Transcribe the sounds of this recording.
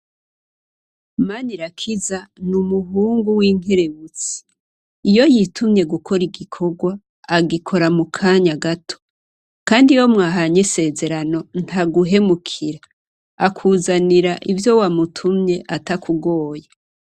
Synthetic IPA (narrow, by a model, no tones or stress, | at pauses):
maniɾakʰizanumuɦuːŋɡuwiːŋ̥e̞ɾe̞βut͡si̥ | ijo̞jitʰumɲe̞ɡukʰo̞ɾiɡikʰo̞ɡwaː | ɡikʰo̞ɾamukʰaɲaɡatʰo̥ | kaːndijo̞mŋaːɦaɲise̞ːze̞ɾano̞n̥haɡuɦe̞mukʰiɾa | akʰuːzaniɾaʔivjo̞wamutʰumɲe̞ʔatakʰuɡo̞ːja